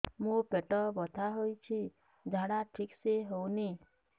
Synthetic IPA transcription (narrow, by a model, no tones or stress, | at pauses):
mũpeʈɔbɔt̪ʰaɦojt͡ʃʰi | d͡ʒʱaɽaʈʰikseɦouni